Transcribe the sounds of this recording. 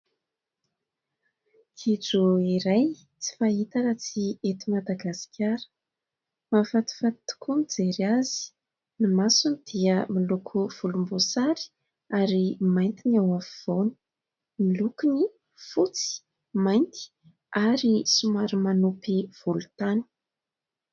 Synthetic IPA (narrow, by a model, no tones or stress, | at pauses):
kʰid͡zuiɾaj | t͡si̥faɦit̪aɾat͡siet̪imad̪aɡasi̥kʰʲaɾə̥ | mafat̪u̥fat̪u̥kʰunid͡zeɾiazi̥ | nimasunid̪̥iəmilukʰuv̥ulumbusaɾi̥ | aɾimajnt̪iniawafiv̥onu̥ | milukuni | fut͡si̥ | majnt̪i̥ | aɾisumaɾimanupiv̥ulut̪ani̥